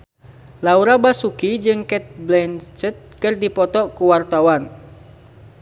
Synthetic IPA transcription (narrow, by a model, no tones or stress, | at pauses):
lauɾabasukid͡ʒɨŋkɛt̪̚blɛnt͡ʃət̪̚kɨrdipɔt̪ɔkuwart̪awan